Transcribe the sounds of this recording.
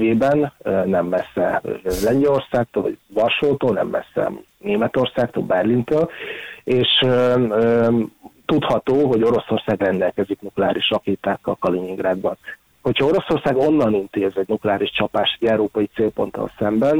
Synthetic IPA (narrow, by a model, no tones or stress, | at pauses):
veːbɛnnɛmːɛsːɛlɛɲɟɛlo̞rsaːk̚t̪oːlvɒ̰ɟvɒrʃoːt̪oːlnɛ̰mːɛ̰sːɛ̰ | neːmɛt̪o̞rsaːkt̪o̰lbɛrlint̪øːleːʃøø | t̪ut̪hɒt̪oːɦo̞ɟo̞ɾo̞so̞rsaːɡrɛnd̪ɛlkɛziknuklɛaːɾʔiʃrɒkeːt̪aːkːɒ̰lkɒliɲiŋɡraːd̪bɒn | ho̞cʰhɒo̞ɾo̞so̞rsaːɡo̞nːɒnint̪eːzɛɟnuklɛaːɾiʃt͡ʃɒpaːʃt̪ɛɟɛwɾoːpɒjit̪seːlpo̞̰nt̪ɒ̰lsɛmbɛn